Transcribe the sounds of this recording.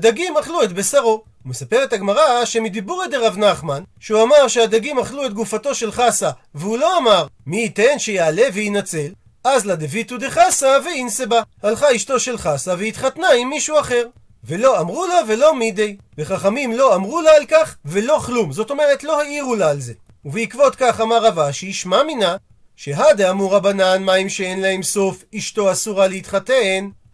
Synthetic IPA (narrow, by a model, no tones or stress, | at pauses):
ad̪aɡimaχluet̪be̞saʁo̞ | hume̞sapeʁetaɡmaʁaʃe̞mid̪ibuʁed̪eʁavnaχmanʃeuamaʁʃead̪aɡimaχluet̪̚ɡufato̞ʃe̞lχasaveulo̞amaʁmiːt̪enʃejaːle̞veinat͡se̞l | azlad̪evit̪ud̪e̞χasaveinsebahalχaiʃto̞ʃe̞lχasaveit̪χatnaimːiʃuaχe̞ʁ | ve̞lo̞amʁulave̞lo̞mid̪ej | beχaχamimlo̞amʁulaːlkaχve̞lo̞χlumzo̞t̪o̞meʁet̪lo̞haiʁulaːlze̞ | uveikvo̞t̪kaχamaʁavaʃiiʃmamina | ʃeɦad̪eamuʁabananmaimʃeenlahemso̞fiʃto̞asuʁaleit̪χaten